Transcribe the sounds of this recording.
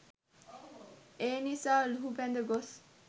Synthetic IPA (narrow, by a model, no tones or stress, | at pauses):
enisalɦupɛ̃nd̪əɡos